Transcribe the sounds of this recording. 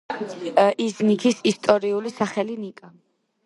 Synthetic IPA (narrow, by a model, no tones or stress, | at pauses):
iznikʰisist̪ʼɔɾiulisaχɛlinikʼa